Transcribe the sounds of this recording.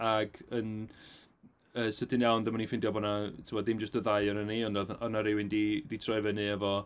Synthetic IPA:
aɡən | əsətʰɨnjawnðəmanifɪndjɔbɔnatʰɪmɔdɪmd͡ʒəstəðajɔnəniɔnɔðɔnaɾewɪndiditʰrɔɨvənɨəvɔ

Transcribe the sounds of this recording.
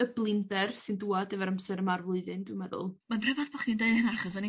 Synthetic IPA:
əblˠɪndɛrsɨnduːadɛvəɾamsɛɾəmarvlˠʊɨðɨndwɪmɛðʊ̰lˠmanrɛvaðbɔχindejənaaχɔs̬ɔni

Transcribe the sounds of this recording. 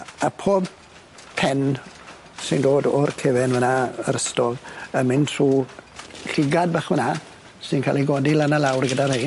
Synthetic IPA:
apʰoːb̚ | pʰɛn | sɪndoːdɔrkʰevɛnvənaə̰ɾəstɔləmɪntʰruː | ɬɪɡad̚baχvəna | sɪnkʰa̰lˠiɡɔdilanalawrɡədarhej

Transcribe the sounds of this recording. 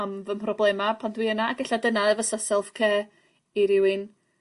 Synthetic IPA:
amvəmpʰrɔblˠɛmapʰandwiənaːɡɛɬadənaəvəsasɛlˠfkʰɛː | iɾɪwɪn

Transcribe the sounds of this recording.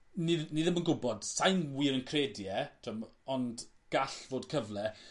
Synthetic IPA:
niðniðəmənɡʊbɔd̥sajnwiːɾənkʰredjɛtʰəmɔnd | ɡ̥aɬvoːdkʰəvlɛ

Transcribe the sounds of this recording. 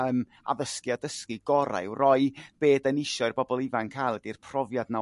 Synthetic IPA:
əːm | a̰ðəskiadəskiɡɔɾa̰ɨwrɔɨb̥eːdənɪʃɔɨrbɔbɔlˠɪvankʰajlˠɛdir̥pʰrɔvjadna

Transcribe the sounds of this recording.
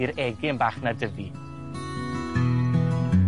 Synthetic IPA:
ɨɾɛɡɪnbaːχnadəvi

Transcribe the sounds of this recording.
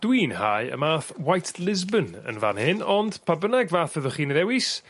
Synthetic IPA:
d̥wiːnhajə̰maːθwajtʰlˠɪzbənə̰nva̰nhɪnɔnd̥pʰabənaɡvaːθvəðɔχiːnəɾɛwɪs

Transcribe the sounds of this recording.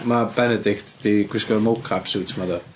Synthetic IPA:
mabɛnɛdɪktd̪̥iɡ̥wɪskɔmowkʰapsuːtʰmaðə

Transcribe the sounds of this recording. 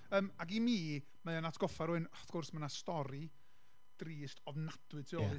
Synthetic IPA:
əːmaɡimiː | maðanatʰɡ̥ɔfaɾuɨnɔfɡ̥ʊrsmanastɔɾi | d̥riːstʰɔvnad̥wɨtʰiɔɨ

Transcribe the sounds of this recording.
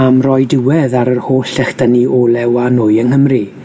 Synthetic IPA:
amrɔjdɪwɛðaɾərhoːɬɛxd̥əniʔoːlˠɛwanoːɨənhəmri

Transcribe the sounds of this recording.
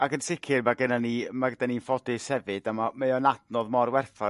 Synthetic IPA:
akənsɪkʰɪrmaɡənanimaɡədaninfɔdɪshɛvɨd̥amameɔnadnɔðmɔrwɛrθɔ

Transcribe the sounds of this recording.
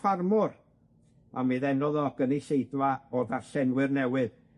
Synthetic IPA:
farmʊr | a̰miðɛnɔðɔɡ̥əniɬejdwaɔðarɬɛnwɨrnɛwɨð

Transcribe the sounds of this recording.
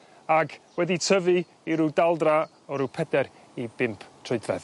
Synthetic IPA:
aɡwɛditʰəvɨ | iɾudalˠdra | ɔɾupʰɛdɛɾ | ib̥ɪmpʰtʰrʊɨdvɛð

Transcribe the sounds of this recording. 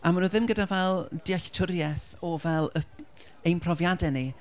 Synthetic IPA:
amanuðɪmɡədavɛlˠd̥ɪaɬtʰʊɾjɛθ | ɔvɛlˠə | ejnpʰrɔvjadɛni

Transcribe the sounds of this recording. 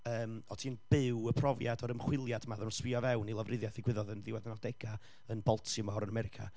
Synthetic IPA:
əːmɔtʰiːnb̥ɪwəpʰrɔvjadɔɾəmχwɪlˠjad̥maðɔnswɪɔvɛwnilˠavrɪðjaθiɡwɪðɔðənðɪwɛðnadɛɡa | ənbɔlˠtʰɪmɔɾənamɛɾɪkʰa̰

